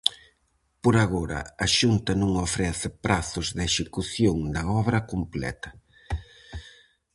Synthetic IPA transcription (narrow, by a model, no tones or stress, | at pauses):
poɾaɣoɾɐ̰ɐʃunt̪ɐnõŋofɾɛθɪpɾaθʊzðeʃekuθjoŋd̪ɐɔβɾɐkumplɛ̰t̪ɐ